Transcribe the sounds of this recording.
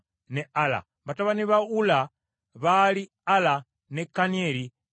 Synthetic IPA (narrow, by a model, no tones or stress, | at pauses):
neala̰ | βataβaniβaula | βali | ala | nekanieli